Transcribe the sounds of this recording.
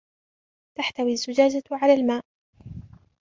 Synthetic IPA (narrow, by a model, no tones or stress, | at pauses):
t̪aħt̪awiazːʊd͡ʒaːd͡ʒaʕalaːlmaːʔ